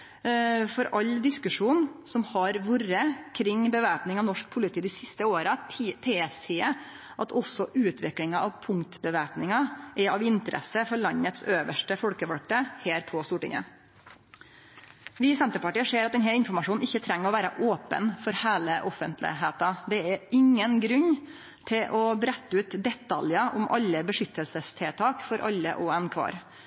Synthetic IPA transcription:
fɔɾɑld̪ɪskʉʂuːnsɔmhɑɾʋuɾəkʰɾɪŋbəʋæːpnɪŋɑʋnɔʂk̚pʰʊlɪt̪ʰiːd̪ɪsɪst̪əoːɾɑt̪ʰeːsɪːə | ʔɑt̪ʰɔsɔʔʉːt̪ʰʋɪklɪŋɑʔɑʋpʰʊŋt̪bəʋæːpnɪŋɑʔɛɑʋɪnt̪əɾʔɛ̰səfɔɭɑɲːət̪søːʋəʂʈəfɔlkəʋɑlk̚t̪əheːɾpʰɔst̪uːʈɪ̰ŋə̰ | ʋɪsɛnt̪əɾpɑʈiːəʂeːɾɑt̪ɛnɦæːlɪnfɔɾmɑʂuːn̩ɪçːət̪ʰɾɛŋːəɾɔʋæːɾəʔoːpə̰nfɔɾhæːləʔɔfənt̪lɪ̰ɦeːt̪ɑd̪ɛɛɾɪŋːənɡɾʉɲː | t̪ʰɪlʔɔbɾɛt̪ːəʉːt̪d̪ɛt̪ʰːɑljɑʔʊmʔɑ̰lːəbəʂʏt̪ʰːəlsəst̪ʰeːt̪ʰɑːkfɔɾʔɑ̰lːə̰ʔɔɛnkʰʋɑ̰ːɾ

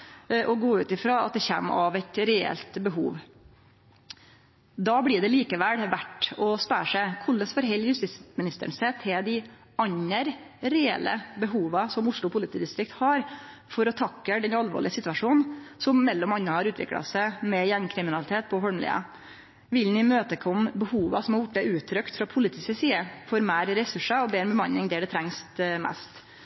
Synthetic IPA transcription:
ʔɔɡoːʉːt̪ɪfɾɑːɑ̰t̪̚d̪ɛçḛːmɑ̰ʋæɪt̪ɾɛɛ̰lt̪bəɦuːʋ | d̪ɑːbɽɪɖɛliːkəʋælʋæʈːɔspæʂæɪkʰʊlːəsfɔɾɦɛlːjʉst̪ɪsmɪnɪst̪ə̰ɳsɛt̪ʰɛd̪ɪ | ɑɲəɾɾɛɛ̰lːə̰bəɦuːʋɑsɔmʊʂɭʊpʰʊlɪt̪ʰiːd̪ɪst̪ɾɪk̚t̪hɑɾfɔɾɔt̪ʰɑkːəɖ̪ɛnɑlʋo̰ːɭɪəsɪt̪ʉʋɑʂuːnnsɔmːɛlːɔmɑnːəhɑɾʉːt̪ʰʋɪ̰klɑ̰sæɪmɛjæŋkʰɾɪmɪnɑlɪt̪ʰeːt̪̚pʰɔfɔɽmlɪ̰ːə̰ | ʋɪlnɪmøːt̪əkʰɔmbəhuːʋɑsɔmhɑɾjʊʈːd̪æʉːt̪ʰːɾœkt̪fɾɑpʰʊlɪt̪ʰɪsəsiːəfɔɾmæːɾɾɛsʉʂəɔbeːɾɛnbəmɑnːɪŋd̪ɛɖ̪ɛt̪ʰɾɛŋst̪mɛ̰st̪

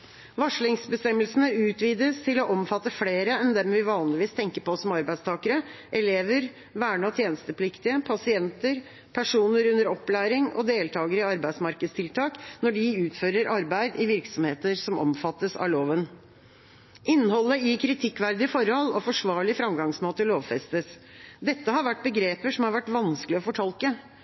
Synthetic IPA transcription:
ʋɑʂɭɪŋsbəst̪ɛmːəlsənəʉːt̪ʋiːd̪əst̪ʰɪlɔʔɔmfɑt̪ːəfleːɾəɛnd̪ɛmʋɪʋɑːnlɪʋiːst̪ʰɛŋkəpɔsɔmɑɾbæɪst̪ʰɑːkəɾəʔɛleːʋəɾ | ʋæːɳɑt̪ʰjeːnəst̪əpʰlɪkt̪ɪəpʰɑsɪɛnt̪əɾ | pʰæʂuːnəɾʉnːəɾɔpːlæːɾɪŋɔ̰d̪eːlt̪ʰɑːɡəɾəɪɑɾbæɪsmɑɾkəd̪st̪ʰɪlt̪ʰɑːknɔɖɪʉːt̪føːɾəɾʔɑɾbæɪd̪ɪʋɪɾksɔmheːt̪əɾsɔmɔ̰mfɑt̪ːəsɑ̰loːʋən | ʔɪnːhɔlːəɪkʰɾɪt̪ʰɪkːʋæɾd̪ɪfɔɾhɔlɔfɔʂʋɑːɭɪfɾɑmɡɑŋsmoːt̪əloːʋfɛst̪əs | d̪ɛt̪ːəɦɑɾʋæʈ̚ːbəɡɾeːpəʂɔmhɑɾʋæʈːʋɑnsklɪɔfɔʈʰɑlkə

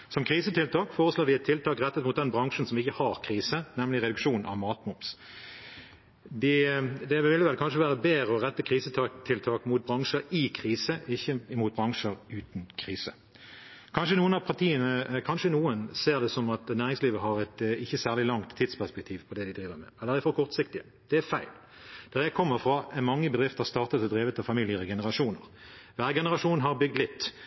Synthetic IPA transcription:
sɔmkʰʁiːsət̪ʰɪlt̪ʰɑːkfoːʁəsloːd̪ɪɛt̪ʰːɪlt̪ʰɑːkʁɛt̪ːət̪mʊt̪d̪ɛnbɾɑŋʂən̩sɔmɪçəhɑɾkʰʁiːsənɛmlɪʁɛd̪ʉkʂuːn̩ʔɑ̰ʋmɑːt̪mʊps | d̪ɪd̪ɛʋɪlːəʋɛlkʰɑnʂəʋæːʁəbeːɾəɔʁɛt̪ːəkʰʁiːsət̪ʰɑt̪ʰɪlt̪ʰɑːkmʊt̪̚bɾɑŋʂəɾɪkʰʁiːsəɪçːəmut̪̚bɾɑŋʂəɾʉːt̪nkʰʁiːsə̰ | kʰɑnʂənuːənɑpʰɑʁt̪ʰiːənəkʰɑnʂənuːənseːʁd̪ɛsɔmɑt̪næːʁɪŋsliːʋəɦɑʁɛt̪ɪçːəsæːʁlɪlɑŋt̪ʰːiːd̪spʰæspɛk̚t̪ʰiːʋpʰɔd̪ɛd̪ɪd̪ʁiːʋəmɛ̰ɛlːəd̪ɪfɔkʰɔʁt̪sɪkt̪ɪə | d̪̥ɛæfæɪl | d̪̥ɛʁjæɪkʰɔmːəʁfɾɑɛnmɑŋːəbəd̪ʁɪft̪əhɑst̪ɑːʁt̪ət̪ɔd̪ɾeːʋət̪ɑʋfɑmɪlɪəʁəɡɛnəʁɑʂuːnə̰ʁʋæːɾəɡɛnəʁɑʂuːnɦɑʁbʏɡ̚d̪lɪt̪ː

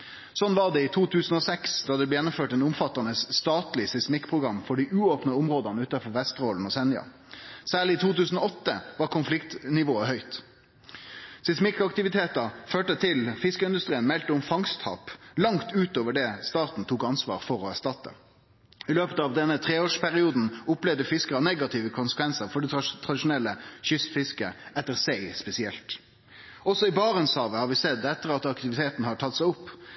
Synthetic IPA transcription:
sɔnːʋɑʁd̪ɛɪt̪ʰuːt̪ʰʉːsn̩ɔːsɛksd̪ɑːd̪ɛblɛːjɛnːʊmføːʈɛnʊmfɑt̪ːənəsst̪ɑːt̪lɪsɛsmɪkːpʰʁʊɡɾɑmːfɔɖiʔʉːoːpnəʊmʁoːd̪ɑnəʉːt̪ɑfɔʋɛst̪ʁoːln̩ɔsɛnjɑ̰ | sæːʁɭɪɪt̪ʰuːt̪ʉːsn̩oɔt̪ːəʋɑːʁkʰʊnflɪkt̪nɪʋoːəhœʏt̪ | sɛsmɪkːɑkt̪ɪʋɪt̪ʰeːt̪ɑføːʈət̪ʰɪlfɪskəɪnd̪ʉst̪ʁiːənmɛlt̪əʊmfɑŋst̪hɑ̰ːplɑŋt̪ʉːt̪oːʋəɖɛst̪ɑːt̪n̩t̪ʰuːkɑnsʋɑ̰ːʁfɔɾɔæʂt̪ɑt̪ːə̰ | ɪløːpət̪ɑʋd̪ɛnːət̪ʰʁeːoːʂpʰæɾɪuːd̪n̩ʊplɛʋd̪əfɪskəɾɑneːɡɑt̪ʰɪʋəkʰʊnsəkʋɛnsəɾfɔɖɛt̪ʰʁɑd̪ɪʃʊnɛlːəɕʏst̪fɪskə̰ɛt̪ːəɾsæɪspɛsɪɛlt̪ | ɔsɔɪbɑːʁənshɑːʋəhɑːɾʋɪsɛd̪ɛt̪ːəʁɑt̪ɑkt̪ɪʋɪt̪ʰeːt̪n̩hɑʈʰɑt̪sæɪʊpː

